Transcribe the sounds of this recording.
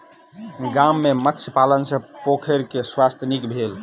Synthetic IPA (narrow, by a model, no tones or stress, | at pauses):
ɡamːemət̪ːsʰpalənsə̃pokʰeɾkeswast̪ʰjənikbʱel